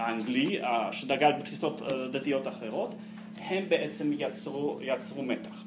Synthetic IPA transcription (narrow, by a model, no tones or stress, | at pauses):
aaŋɡliaʃed̪aɡalbet̪fisot̪d̪at̪ijo̞t̪aχeʁo̞t̪ | hembeʔet͡semʁujat͡sʁumet̪ḁχ